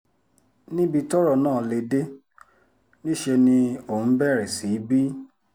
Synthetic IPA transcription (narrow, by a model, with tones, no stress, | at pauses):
nĩ˦bi˧tɔ˦ɾɔ˦˧˨nãː˦˨le˧de˦ | nĩ˦ʃe˧nĩ˧õ˨˦bɛ˦˨ɾɛ˨si˨˦bi˦